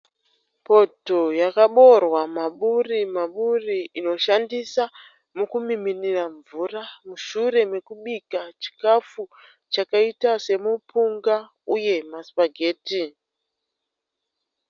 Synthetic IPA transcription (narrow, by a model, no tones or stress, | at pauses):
po̞to̞jakaɓo̞rwamaɓurimaɓuriino̞ʃandisa | mukumiminiraɱvuramuʃure̞me̞kuɓikat͡ʃi̥kafu | t͡ʃakaitase̞mupuŋɡa | uje̞maspaɡʱeːti